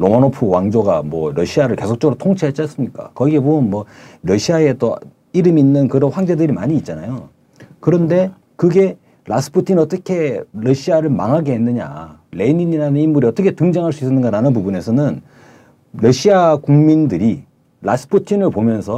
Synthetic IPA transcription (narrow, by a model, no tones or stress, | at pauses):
ɾomanopʰɯwaŋd͡ʑoɡamwʌɾʌɕʰiaɾɯɭke̞sʰok̚t͡ɕʌɡuɾotʰoŋt͡ɕʰiat͡ɕ͈ans͈ɯmɲik͈a̰kʌɡiɡe̞boɯnmwʌɾʌɕʰiae̞t͈o | iɾɯmiːnːɯnkɯɾʌnɸwaŋd͡ʑedɯɾima̰ɲiːt̚t͡ɕ͈anajo | kɯɾʌnde̞ | kɯɡe̞ | lʔas͈ʰɯ̥pʰutʰinʌt͈ʌkʰe̞ɾʌɕʰiaɾɯɭma̰ŋɦaɡe̞ɦenːɯɲa̰le̞iniɲiɾanɯnimːuɾiʌt͈ʌkʰetɯŋd͡ʑaŋɦaɭs̬͈uis͈ʌnːɯnɡaɾanɯnpubune̞sʰʌnɯn | ɾʌɕʰiakuŋmindɯɾi | ɾas͈ʰɯ̥pʰutʰinɯɭpomjʌnsʰʌ